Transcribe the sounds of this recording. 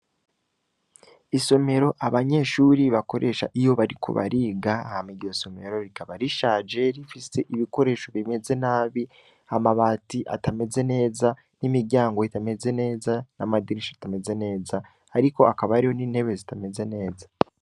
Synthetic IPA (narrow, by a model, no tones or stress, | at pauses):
iso̞me̞ɾo̞ʔaβaɲe̞ːʃuːɾiβako̞ɾʔeʃa̰ʔijo̞βaɾikʰo̰βa̰ɾiːɡaːhamiɟoso̞me̞ɾo̞ɾikaβaɾiʃaːd͡ʒe̞ɾifise̞ʔiβiko̞ɾe̞ːʃo̞βime̞ze̞naːβi | amaβaːtiʔa̰tame̞ze̞ne̞ːza | nimiɾɟaːŋɡo̞itame̞ze̞ne̞ːzanamadiɾiʃatame̞ze̞ne̞ːzaː | ɾiko̞akaβaɾijo̞niːn̥he̞βe̞zitame̞ze̞ne̞ːzḁ